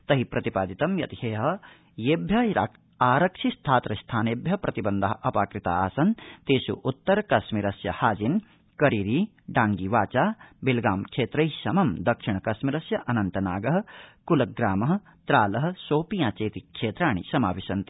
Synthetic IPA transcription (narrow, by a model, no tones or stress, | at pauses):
t̪ɐɦipɾɐt̪ipaːd̪it̪ɐmjɐ̰t̪ieːɦɐ | jeːbʱjɐa̰ː | aːɾɐkʂist̪ʰaːt̪ɾɐst̪ʰaːneːbjɐpɾɐt̪ibɐnd̪ɐɦɐ̆ʔɐpaːkɾit̪a̰ːaːsɐnt̪eːʃṵʔut̪ːɐɾkɐsmiɾɐsjɐ̰haːd͡ʒin | kɐɾiːɾiː | ɖaːŋɡiʋaːt͡ʃaːbilɡaːmkʂeːt̪ɾɐjʃɐmɐmd̪ɐkʂiɳɐkɐʃmiɾɐsjɐʔɐnɐnt̪ɐnaːɡɐɦɐ̆kulɐɡɾaːmɐɦɐ̆ | t̪ɾaːlɐɦ̆soːpijaːt͡ʃeːt̪ikʂeːt̪ɾaːɳ̃ḭsɐma̰ːʋiʃɐnt̪i